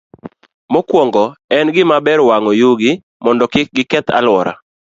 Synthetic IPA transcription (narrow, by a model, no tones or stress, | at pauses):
mɔkwɔŋɡɔɛnɡɪmabɛɾwaŋɔjuɡɪ | mɔndɔkɪɡɪkɛt̪a̰lwɔɾa̰